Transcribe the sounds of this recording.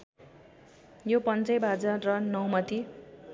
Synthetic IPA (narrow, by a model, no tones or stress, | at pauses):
jopʌnt͡sʌjbʱad͡zarʌnʌwmʌt̪i